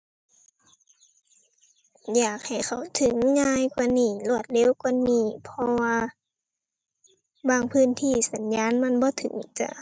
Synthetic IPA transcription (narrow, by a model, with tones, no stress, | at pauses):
jaː˨˩k̚ha˨˩jkʰa˨˩wt̪ʰɯ˨˩˦ŋːaː˧˥jkwaː˧niː˧˩lu˧˩ət̪̚lɛː˧˥˨wkwa˧˨niː˧˩pʰɔ˧waː˧ | baː˧˩ŋpʰɯː˧˥˨nt̪ʰiː˧˩sa˨˦nɲaː˧˥˨nma˧˥˨nbɔː˧˦t̪ʰɯ̰˨˩˦ŋt͡ɕa̰˧˩ʔ